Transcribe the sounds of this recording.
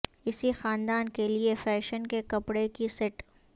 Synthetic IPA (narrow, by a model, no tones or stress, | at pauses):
ɪsixaːnd̪aːnkeliefɛːʃənkekɐpɽekisɪʈ